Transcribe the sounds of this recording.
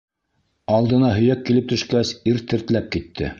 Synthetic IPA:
ɑlˠd̪ɤ̆nɑɦɵ̆jækːilɘp̚t̪ɵ̆ʃkæsiɾt̪ɘ̆ɾt̪læp̚kit̪ːɘ̰

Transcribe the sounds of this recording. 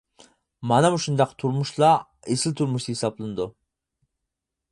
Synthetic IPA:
mɑnɛmuʃund̪ɑqʰt̪ʰuɾmuʃlˠɑ | esɨlt̪ʰuɾmuʃt̪ɨhisɑblˠɨnɨd̪u

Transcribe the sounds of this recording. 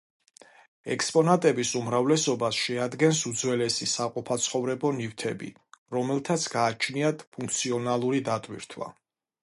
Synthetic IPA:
ɛ̰kspʼɔnat̪ʼɛbisumɾavlɛsɔbasʃɛad̪ɡɛnsud̪zwɛlɛsisaqʼupʰat̪sʰχɔvɾɛbɔnift̪ʰɛbḭ | ɾɔmɛlˠt̪ʰat̪sʰɡaːt͡ʃʰniat̪pʰũŋk̚ʰt̪sʰiɔnalˠuɾid̪at̪ʼwḭɾt̪ʰwa̰

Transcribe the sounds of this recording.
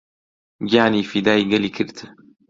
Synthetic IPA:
ɡjaːniːfid̪aːiɡɐliːkʰɨɾt̪ʰ

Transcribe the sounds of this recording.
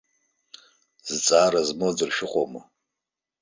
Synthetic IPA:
z̥ɨt͡sʼaːɾɐzmod͡zɨrʃɪqʷʼomɨ

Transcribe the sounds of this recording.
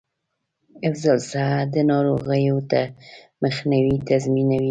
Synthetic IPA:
ɪfzalsad̪ənɑɾoɣəjot̪a | məxniwit̪azminawi

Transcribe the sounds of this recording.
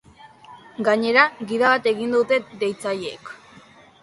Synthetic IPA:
ɡaɲe̞ɾaɣiðaβat̪e̞ɣind̪ut̪e̞d̪e̞jt͡saʎeek

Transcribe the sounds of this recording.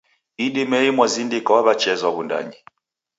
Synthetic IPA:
idimɛjimwazindikawaβat͡ʃɛzaβunda̰ɲi

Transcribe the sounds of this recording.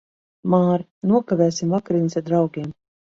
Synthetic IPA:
maːɾ | nuɔkavɛːsimvakɾinʲisad̪ɾawɡʲiɛm

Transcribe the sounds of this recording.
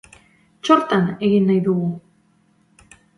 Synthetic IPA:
t͡ʃo̞ɾt̪ane̞ɣinːajðuɣu

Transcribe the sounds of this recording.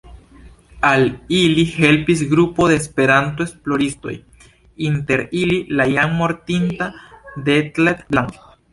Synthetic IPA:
alilihe̞lpis̬ɡɾupo̞ðe̞ːspe̞ɾant̪̬oesplo̞ɾisto̞̰j | inte̞ɾililajanmo̞ɾt̪intad̪e̞t̪let̪blaŋk

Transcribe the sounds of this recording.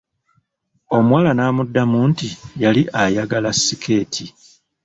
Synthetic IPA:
o̞mwaːlanaːmudːamuːntijaliʔajaɡalasːikʰe̞ːtʰi

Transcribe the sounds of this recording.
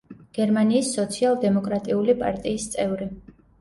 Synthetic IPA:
ɡ̥ɛɾmaniːsːɔt̪sʰialˠd̪ɛmɔkʼɾat̪ʼiulipʼa̰ɾt̪ʼiːst̪sʼɛvɾi

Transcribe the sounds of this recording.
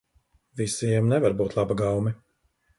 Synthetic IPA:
visiɛmnɛvaɾbuːt̪lˠabaɡawmɛ

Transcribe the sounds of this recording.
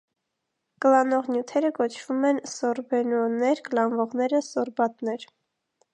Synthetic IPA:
kəlɑnɔʁnjut̪ʰɛɾəkɔt͡ʃʰv̥umɛnsɔɾbɛnɔnɛɾkəlɑnvɔʁnɛɾəsɔɾbɑt̪nɛɾ

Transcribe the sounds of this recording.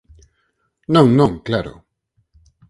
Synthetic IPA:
nõŋnõŋklaɾo̰

